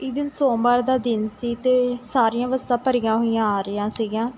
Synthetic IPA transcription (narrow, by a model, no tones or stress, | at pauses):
ɪd̪ɪnsoːbaːɾd̪aːd̪ɪnsiːt̪eːsaːɾijãːʋəst̪ãːpəɾijãːɦoːijãːaːɾəjãːsiːɡãː